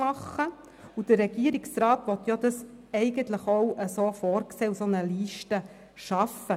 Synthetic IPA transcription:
mɑχːə | ud̥əɾɛɡ̥iəɾiksɾɑːt̪ʋɔt̪jɑd̪ɑs | ɛɪɡənt̪ləχowʔəsoːfoːɾkseːusonəliːʃtə | ʃɑfə

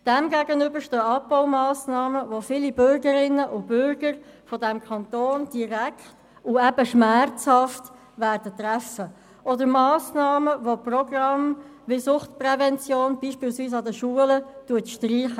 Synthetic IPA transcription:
d̥ɛmɡæːɡənʏbəɾʃtøːɑpːaʊmɑːsnɑːməʋofilibʏɾɡəɾɪnːəʔʊb̥ʏɾɡ̥əɾfɔdɛmkʰɑnt̪oːnd̥iɾækχt | ʊɛbəʃmæɾt͡shɑft | værd̥ət̪ræfə | ʔɔdəɾmɑːsnɑːməvoprɔɡrɑm | vɪsʊχtprɛvɛnt͡sjoːnb̥iːʃpiːlsviːs̬ɑd̪əʃuːələtuətʃtriːχə

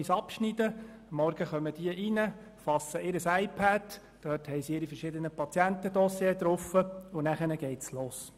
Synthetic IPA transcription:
isɑpʃnid̥əmːɔɾɡ̥əχœməd̥iəʔinə | fɑsːəɪɾəsaɪpʰæd̥ | d̥œːthɛɪsɪɾifəɾʃɪd̪ənəpʰɑt͡sjæntəd̥ɔsjet̪ɾʊfəʊnæχənəɡ̥ɛɪtsloːs

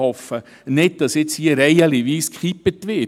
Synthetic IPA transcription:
ɔfə | nɪt̚d̥ɑsɪt͡shiːəɾɛɪəliʋiːskχipətʋɪ

